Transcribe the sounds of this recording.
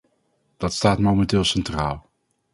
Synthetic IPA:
d̥ɑtstaːtmowmɛntɪːlˠsɛntraːlˠ

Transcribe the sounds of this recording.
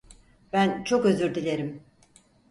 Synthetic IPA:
b̥ænt͡ʃʰo̞kø̞zyɾd̪ilʲe̞ɾim

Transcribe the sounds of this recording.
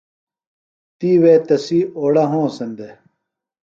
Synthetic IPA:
t̪iːweːt̪ɐsioːɽɐɦõːsɐnd̪e

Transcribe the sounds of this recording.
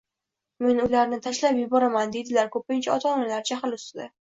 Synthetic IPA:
me̞nʊlaɾnɪt̪ʰaʃlapjɪbɒɾamand̪e̞d̪ɪlaɾkʰɵpɪnt͡ʃʰaɒt̪ʰɒnalaɾt͡ʃʰaχlʊst̪ɪd̪a

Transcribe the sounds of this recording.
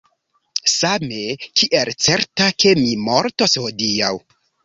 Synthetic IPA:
same̞kʰiʔelt͡se̞ɾtakʰe̞mimo̞ɾto̞shodiaw

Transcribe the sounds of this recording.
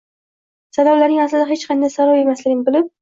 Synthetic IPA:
sabablaɾnɪŋaslɪd̪aɦet͡ʃqʰɑnd̪ajsaɾawe̞maslɪɡʲɪnɪbɪlɪp̚

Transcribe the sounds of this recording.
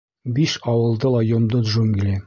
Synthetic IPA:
biʃɒwɤ̆lˠd̪ɤlˠɑjŏmd̪ɤd̪ʒoŋɡʲlʲi

